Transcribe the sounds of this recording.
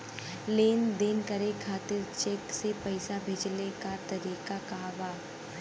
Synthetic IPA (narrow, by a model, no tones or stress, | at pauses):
leːnd̪eːnkɐɾekʰaːt̪ɪɾt͡ʃeːksepɛɪsabʱeːd͡ʒlekat̪ɐɾiːqakaːʋaː